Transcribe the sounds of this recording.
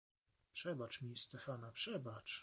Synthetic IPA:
pʂɛbat͡ʂmʲist̪ɛfanapʂɛbat͡ʂ

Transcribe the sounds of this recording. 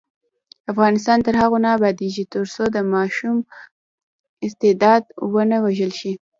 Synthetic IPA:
afɣɑnɪs̬t̪ɑnt̪əɾɦaɣonɑbad̪eʒit̪əɾsod̪əmɑʃum | ɪst̪ed̪ɑd̪ʊbənawaʒəlʃi

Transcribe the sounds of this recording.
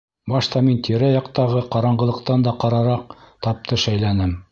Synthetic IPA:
bɑʃt̪ɑmint̪ʰiɾæjɑqt̪ɑʁɤqɑɾɑɴɢɤ̆lˠɤ̆qt̪ɑnd̪ɑqɑɾɑɾɑq̚t̪ɑp̚t̪ɤʃæjlænɘm

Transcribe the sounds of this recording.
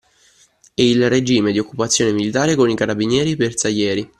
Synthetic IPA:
ɛilred͡ʒiːmed̪iokːupat̪sːjoːnemilit̪aːɾekonikaɾabinjɛːɾipersajɛːɾi

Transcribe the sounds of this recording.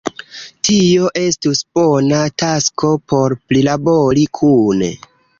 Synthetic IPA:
tʰio̞ʔe̞stusb̥o̞nataskʰo̞pʰo̞ɾpɾilaboɾikʰunḛ

